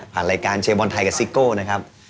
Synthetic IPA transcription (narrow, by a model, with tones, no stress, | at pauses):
pʰaː˨˩nɾaː˧jkaː˧nt͡ɕʰeː˧bɔ˧nt̪ʰa˧jka˨˩si˦˥koː˥˩na˦˥kʰa˦˥p̚